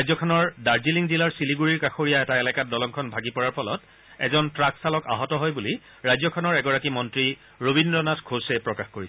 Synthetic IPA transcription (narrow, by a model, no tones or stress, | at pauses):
ajzɔkʰɔnɔɹdaɹziliŋzilaɹsiliɡuɹiɹkaxoɹijaɛtaɛlɛkat̚dɔlɔŋkʰɔnbʱaɡipɔɹaɹpʰɔlɔt | ɛ̰zɔntɹaksalɔka̰ɦɔtɔɦɔjbuli | ɹajzɔkʰɔnɔɹɛɡɔɹakimɔntɹi | ɹobʱindɹɔnatɡʰʱosɛpɹɔkaxkoɹisɛ